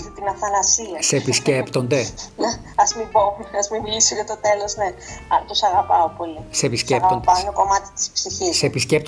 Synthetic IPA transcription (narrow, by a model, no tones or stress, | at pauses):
t̪it̪inɐfɐnɐsiɐsepiscept̪o̞nd̪ene | ɐzmibomɐzmimilisoʝɐt̪o̞t̪e̞lo̞zne̞ɐt̪usɐɣɐpɐopo̞lisepiscepɣɐond̪ɐont̪oko̞mɐt̪i̥t̪i̥spsiçissepiscep̚t̪